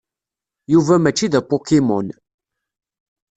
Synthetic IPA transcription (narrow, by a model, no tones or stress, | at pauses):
juvæmæt͡ʃːiðæpːokimʊn